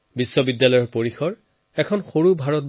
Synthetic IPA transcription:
bisːɔbidjalɔjɔɹpoɹixɔɹ | ɛkʰɔnxoɹubʱaɹɔt̚b

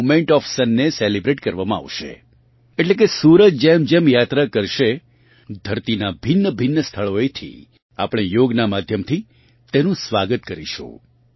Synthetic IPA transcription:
mẽɳʈɔfsənːeselibɾeʈkəɾʋamãa̰ʋʃḛ | eʈlek̬esuɾət̪d͡ʒemd͡ʒemjat̪ɾakəɾʃe | d̪ʱəɾt̪inabʱɪnːəbʱɪnːəst̪ʰəɭoet̪ʰḭ | a̰pɽ̃ejoɡnamad̪ʱjəmt̪ʰi | t̪enũsʋaɡət̪̚kəɾiʃṵ̃

